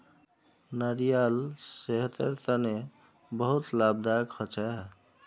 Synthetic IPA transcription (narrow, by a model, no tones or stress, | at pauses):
naɾijalseɦət̪əɾt̪əne | bəɦut̪lab̚d̪akʰɔt͡ʃʰɛɦ